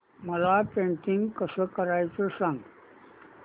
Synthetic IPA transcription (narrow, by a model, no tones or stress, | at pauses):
məlapẽɳʈiŋɡkəsəkəɾajt͡sesãŋɡ